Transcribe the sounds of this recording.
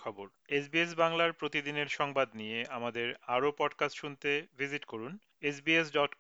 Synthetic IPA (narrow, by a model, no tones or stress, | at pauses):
kʰɔboɾesbies̬baŋlaɾpɾot̪id̪ineɾʃɔŋbad̪nijeamad̪eɾaɾopɔɖkasʈʃunt̪evʱiziʈkoɾun | esbiesɖɔʈk